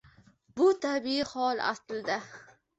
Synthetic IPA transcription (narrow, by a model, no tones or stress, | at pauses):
bʊt̪ʰabiɪhɒlˠa̰sld̪a